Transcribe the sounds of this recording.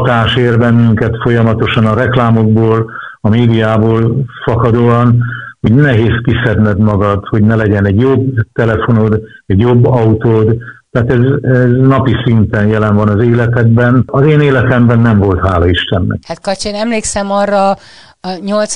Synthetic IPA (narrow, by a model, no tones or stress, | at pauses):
t̪aːʃeːrbɛnːyŋkɛt̪fo̞jɒmɒt̪o̞ʃɒnɒɾɛklaːmo̞ɡ̚boːl | ɒmeːd̪ijaːboːlfɒkɒd̪oːɒnho̞ɟnɛɦeːskisɛd̪nɛd̪mɒɡɒd̪ho̞ɟnɛlɛɟɛnɛɟjobt̪ɛlɛfo̞nod̪ɛɟjo̞bːɒut̪oːd̪t̪aːt̪ɛzɛznɒpisint̪ɛnjɛlɛnvɒnɒzeːlɛt̪ɛd̪bɛnɒzeːneːlɛt̪ɛmbɛnːɛɱvo̞lt̪ɦaːlɒiʃt̪ɛnːɛ̰khat̪kɒt͡ʃenɛmleːksɛmɒrːɒ | ɲolt̪s